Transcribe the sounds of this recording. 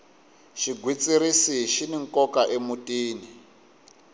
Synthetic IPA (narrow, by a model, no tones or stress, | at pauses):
ʃiɡʱwit͡sʼiɾisiʃiniŋ̩kɔkaʔemutʼiːni